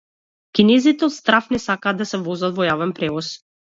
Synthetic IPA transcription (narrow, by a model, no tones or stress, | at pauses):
kʲinɛzit̪ɛɔt̪st̪ɾafnɛsakaːd̪asɛvɔzat̪vɔjavɛnpɾɛvɔs